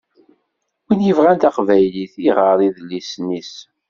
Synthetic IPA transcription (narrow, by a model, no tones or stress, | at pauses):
winjəvʁænt̪aqvæjliθiʁəɾˤiðlːisnːis